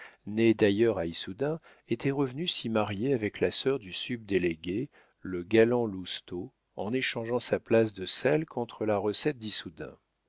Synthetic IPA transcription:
ned̪ajœʁaisud̪ɛ̃ | et̪ʰɛʁəvnysimaʁjeavɛklasœʁd̪ysyb̚d̪eleɡʲe | ləɡalɑ̃lust̪o | ɑ̰̃neʃɑ̃ʒɑ̃saplas̬d̪əsɛlkʰɔ̃t̪χəlaʁəsɛt̪̚d̪isud̪ɛ̰̃

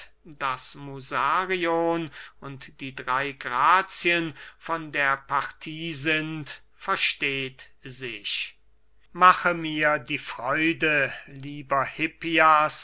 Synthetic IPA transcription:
d̥asmuzaːʁionʊntd̥iːdʁaɪɡʁaːt͡sjənfɔndeːɐpaʁtʰiːzɪnt | fɛɐʃteːt | zɪʃ | maχəmiːɐdiːfʁ̥ɔʏdəliːbɐhɪpias

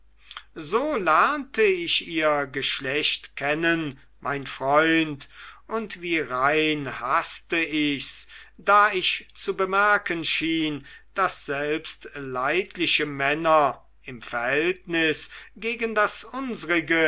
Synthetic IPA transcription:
zoːlɛɐntəɪʃiːɐɡəʃlɛɕtkʰɛnən | maɪnfʁ̥ɔʏntʊntv̥iːʁaɪnhastəɪçsd̥aːɪʃt͡subəmɛɐkənʃiːnd̥asz̥ɛlpstlaɪtʰlɪʃəmɛnɐ | ɪmfɛɐhɛltnɪsɡ̥eːɡəndasʊnzəʁɪɡə

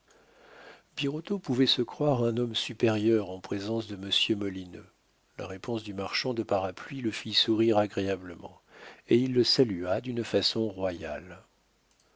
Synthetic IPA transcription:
biʁɔt̪opuvɛsəkχwaʁɛ̃nɔmsypeʁjœʁɑ̃pχezɑ̃sd̪əməsjømɔlinø̰ | la̰ʁepɔ̃sd̪ymaʁʃɑ̃d̪əpaʁaplɥiləfisuʁiʁaɡʁeabləmɑ̰̃ | eilːəsalyad̪ynfasɔ̃ʁwaja̰l

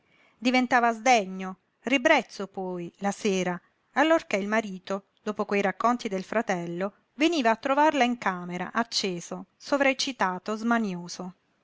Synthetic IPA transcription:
d̪ivent̪aːvazd̪ɛɲːo | ribɾɛt̪sːopɔjlaseːɾa | alːorkeilmaɾiːt̪o | d̪oːpokwejɾakːont̪id̪elfɾat̪ɛlːo | veniːvaːt̪ːɾovarlaiŋkaːmeɾa̰ʔat͡ʃːeːzosovɾet͡ʃːit̪aːt̪ozmanjoːzo

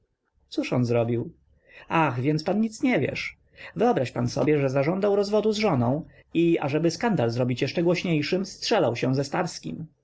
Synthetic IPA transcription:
t̪suʂɔnzɾɔbʲiw | aɣvʲjɛnt̪spanɲit̪sɲɛvʲjɛ̰ʂ | vɘɔbɾaɕpansɔ̰bʲjɛʐɛzaʐɔnd̪awɾɔzvɔd̪uzʐɔnɔ̃w̃ | ia̰ʐɛbɘskand̪alzɾɔbʲit͡ɕjɛʂɛɡwɔɕɲejʂɘmstʂɛlawɕɛw̃zɛst̪aɾskʲḭm

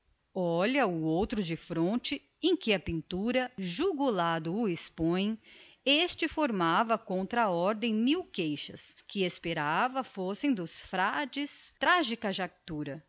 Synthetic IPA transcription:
ɔʎɐʊowt̪ɾʊd͡ʒɪfɾõnt͡ʃɪ | ẽkɪɐpĩnt̪uɾɐʒuɡulad̪ʊːespõj̃est͡ʃɪfoɾmavɐkõnt̪ɾɐːɔɾd̪ẽj̃miwkejʃɐ̰skɪespeɾavɐfosẽj̃d̪ʊsfɾad͡ʒɪst̪ɾaʒikɐʒakt̪uɾɐ

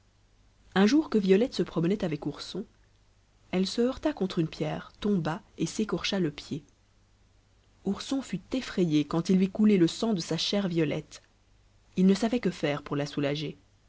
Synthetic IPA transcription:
ɛ̃ʒuʁkəvjɔlɛt̪səpχɔmənɛt̪avɛkuʁsɔ̃ | ɛlsəœʁt̪akɔ̃t̪χynpjɛːʁt̪ɔ̃baesekɔʁʃaləpje | uʁsɔ̃fyt̪efχejekɑ̃t̪ilvikuleləsɑ̃d̪əsaʃɛʁvjɔlɛ̰t̪ | ilnəsavɛkəfɛʁpuʁlasulaʒe

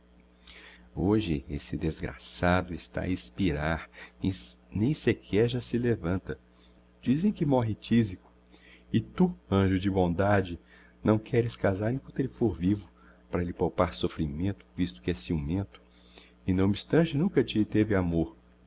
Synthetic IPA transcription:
oʒɪesɪd̪ezɡɾa̰sad̪ʊɪst̪a̰ispiɾaɾ̃ | nẽj̃sekʰɛɾʒasɪlevɐ̃nt̪ɐ | d͡ʒizẽj̃kɪmɔɦɪt͡ʃizikʊ̥ | ɪt̪uɐ̃ʒʊd͡ʒɪbõd̪ad͡ʒɪ | nɐ̃w̃kʰɛɾɪskazaɾẽkɐ̃t̪elɪfoɾvivʊ | paɾɐlɪpowpaɾsofɾimẽnt̪ʊ̥vist̪ʊ̥kɪɛsiumẽnt̪ʊ̥ | ɪnɐ̃w̃bist̪ɐ̃t͡ʃɪnũkɐt͡ʃɪt̪evɪamoɾ

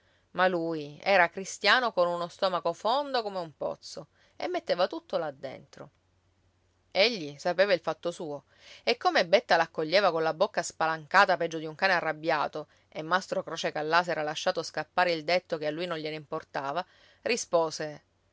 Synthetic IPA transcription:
maluːjɛːɾakɾist̪jaːnokonunost̪ɔːmakofond̪okomeumpɔ̰t̪so | ḛmːet̪ːeːvat̪ut̪ːolad̪ːḛnt̪ɾo | eʎːisapeːvailfat̪ːosuːo | ekːomebet̪ːalakːoʎːeːvakonlabokːaspalaŋkaːt̪apɛd͡ʒːod̪iuŋkaːnearːabːjaːt̪o | emːast̪ɾokɾoːt͡ʃekalːaːsɛːɾalaʃːaːt̪oskapːaːɾeild̪et̪ːokealːujnonʎeneimport̪aːva | rispoːse

